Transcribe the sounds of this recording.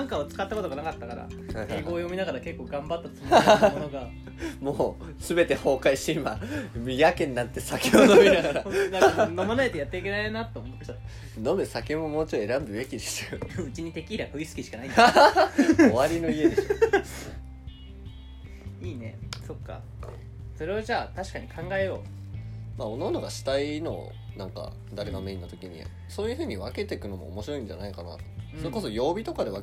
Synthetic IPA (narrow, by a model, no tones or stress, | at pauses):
ãŋkaot͡sɨ̥kat̪ːako̞t̪o̞ɡanakat̪ːakaɾa̰aeɡo̞ːjo̞mʲinaɡaɾake̞kːo̞ːɡãmbat̪ːat̪ka | moː | sɨbe̞t̪e̞ho̞ːkaiɕimamijakẽ̞nːãnt̪ːe̞sakʲeodnomʲinaɡaɾanãno̞manaet̪ejat̪ːe̞ik̬ʲe̞naenat̪ːomot̪ːot̪ːt̪ | no̞mesakemo̞moːt͡ɕie̞ɾãmbɯ̟ɡe̞kʲid̪e̥ḁɯ̟t͡ɕiɲ̟it̪e̞kʲiːɾakɯisɨ̥kʲiɕi̥kanai | oβaɾʲino̞ie̞d̪eɕo | iːne̞̰so̞kːa̰ | so̞ɾe̞oʑaːt̪aɕi̥kaɲ̟ikʰãŋɡae̞jo̞̰ː | maononoɡaɕi̥t̪aino̞̰ | nãŋka̰ | d̪aɾeɡameĩnːat̪o̞kʲiɲ̟ḭ | so̞ːjɯ̟ɸɯ̟ːɲ̟iβake̞t̪e̞kɯ̟no̞mo̞̰ːmo̞ɕiɾo̞ĩɲ̟d͡ʑa̰naikana̰t̪o̥soɾe̞ko̞so̞jo̞ːbʲit̪o̞kad̪e̞βa